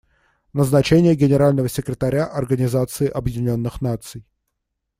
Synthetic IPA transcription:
nəznɐt͡ɕenʲɪjəɡʲɪnʲɪɾalʲnəvəsʲɪkɾʲɪt̪ɐɾʲaʔɐrɡənʲɪzat̪sɨɪʔɐbjɪdʲɪnʲo̞nːɨxnat̪sɨj

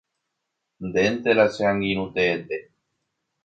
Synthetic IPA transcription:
nd̪ent̪elaseãŋɡiɾ̃ũt̪eːnd̪e

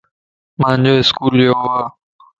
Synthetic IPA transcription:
mãːnd͡ʑoːɪskuːljoːwaː

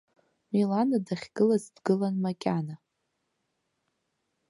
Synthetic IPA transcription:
melanadaχʲɡ̥ɨlazdɡɨlanmakʲʼana

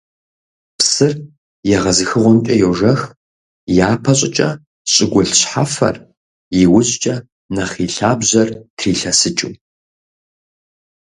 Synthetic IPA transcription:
psɨr | jɛʁɐzɨxɨʁʷɔmtʼɐjowʒɐx | jaːpʰɐɕʼɪt͡ʃʼɐ | ɕʼɪɡʷʊɮɕħafɐ̰r | jɪwʊɕt͡ʃʼɐ | nɐχiːɬaːbʑɐrtʰriːɬɐsɨt͡ʃʼṵ

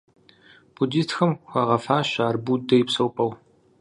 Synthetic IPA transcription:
b̥udiːstʰxɐmxʷɑʁɐfaːɕaːrbudɐjɪpsɐwpʼɐw

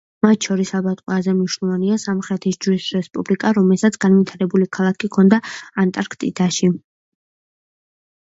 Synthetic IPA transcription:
mat̪ʰʃɔɾisabat̪ʼqʼwɛazɛmniʃnɛlˠvaniasamχɾɛt̪ʰisd͡ʒwisɾɛspʼublikʼaɾɔmɛlsat̪sʰɡ̥anvit̪ʰaɾɛbulikʰalˠakʰikʰɔnd̪aant̪ʼaɾkʰt̪ʼḭd̪aʃi

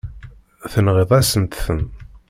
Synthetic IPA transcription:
θənʁeðˤæsənt̪θən

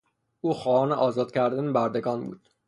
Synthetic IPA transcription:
ʔuːxɒːhɒːneʔɒːzɒːd̪̥cʲʰæɾd̪ænebæɾd̪e̞ɡɒːnbṵːd̪̥

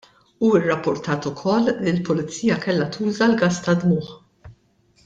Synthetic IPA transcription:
uːɪrːɐpːʊɾt̪ɐːt̪ʊkʰɔlːilpʊlɪt͡sːiːjɐkɛlːɐt̪ʰuːzɐlɡɐst̪ɐd̪mʊːħ

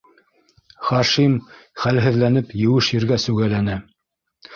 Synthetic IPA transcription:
χɑʃimχælɦɘ̆ðlænɘpjɘ̆wɘʃjɘ̆ɾɡæsʉɡælænɘ

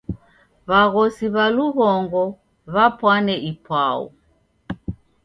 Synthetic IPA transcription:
βaɣɔsiβaluɣɔŋɡɔ | βapwanɛʔipwaṵ

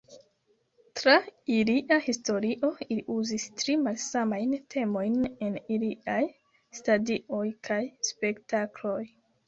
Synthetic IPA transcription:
tɾailiʔahisto̞ɾiʔo̞iliʔuzistɾimalsamajntʰe̞mo̞jne̞niliʔaj | stadiʔo̞jkʰajspe̞ktaklo̞j

